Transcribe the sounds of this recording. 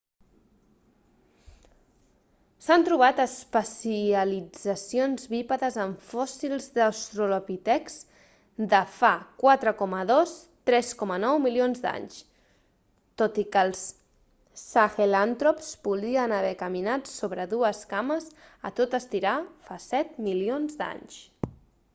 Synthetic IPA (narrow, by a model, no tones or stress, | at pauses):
sant̪ɾuβ̞at̪əspəsiəlid͡zəsionzβipəðəzəɱfɔsilˠzðəst̪ɾulopit̪ɛks | d̪əfakwat̪ɾəkɔməðos | t̪ɾɛskɔmənɔwmilionzd̪a̰ɲʃ | t̪ot̪ikəlˠsː | axelant̪ɾopspuðɾiənəβ̞ɛkəminat̪soβɾəðuəskaməzə̰t̪ot̪əst̪iɾafasɛt̪milionzd̪a̰ɲʃ